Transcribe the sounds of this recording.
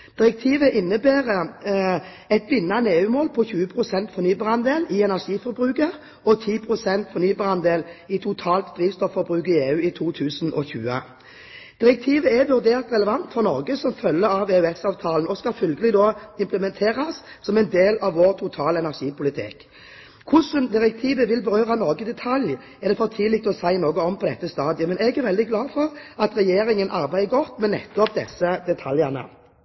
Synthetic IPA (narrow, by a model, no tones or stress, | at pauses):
d̪̥ɪʁɛk̚t̪ʰiːʋəʔɪnːəbæːʁə | ɛt̪ʋɪnːɑneːʉːmoːlpʰɔçʉːəpʰʁʊsɛnt̪fɔʁnyːbɑːʁɑnd̪eːlɪɛnæʁʂiːfɔɾbʁʉːkə | ɔt̪ʰiːpʰʁʊsɛnt̪fɔʁnyːbɑːʁɑnd̪eːlɪt̪ʰʊt̪ʰɑːlt̪d̪̥ʁiːʋst̪ɔfːɔbʁʉːkəeːʉːɪt̪ʰuːt̪ʰʉːsnʔɔ̰çʉ̰ːə̰ | d̪̥ɪʁɛk̚t̪ʰiːʋəæʋʉʁd̪eːʁt̪ʁɛləʋɑnt̪fɔʁnɔʁɡəsɔmfœlːəɾɑʋeːʉɛsɑːʋt̪ʰɑːlənɔskɑlfʏlɡəlɪd̪oːɪmpləmɛnt̪ʰeːʁɑs | sɔmɛɪnd̪eːlɑʋʋoːʁt̪ʰʊt̪ʰɑːləɛnæʁʂiːpʊlɪt̪ʰɪ̰k | kʰʊsənd̪ɪʁɛk̚t̪ʰiːʋəʋɪlbəɾøːʁɑnɔʁɡəd̪ɛt̪ʰɑlj | ɛʁd̪ɛfoːʁt̪ʰɪlɪk̚t̪ɔsæɪnoːɡəɔmpʰɔd̪ɛt̪ːəst̪ɑːd̪ɪəmɛnɛɡæʁʋɛld̪ɪɡlɑːfɔʁɑt̪ʁɛjeːɾɪŋənʔɑɾbæɪəɡɔt̪ːmɛnɛ̰t̪ːɔp̚d̪ɛsəd̪ɛt̪ʰɑljəʁnə̰